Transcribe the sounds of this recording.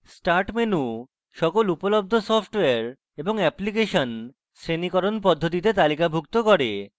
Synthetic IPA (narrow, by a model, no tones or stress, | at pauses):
sʈaɾʈmenu | ʃɔkolupolob̚d̪ʱosɔpʰʈoeaɾ | eboŋɛplik̬eʃon | sɾenikɔɾonpɔd̪ʱːot̪̬it̪et̪alikabʱukt̪okɔɾe